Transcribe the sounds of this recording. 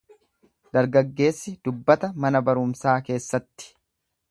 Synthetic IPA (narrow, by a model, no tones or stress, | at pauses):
d̪̥ɐɾɡɐɡːe̞ːsːɪd̪̥ʊbːɐt̪ɐmɐnɐbɐɾʊmsaːke̞ːsːɐt̪ːɪ̥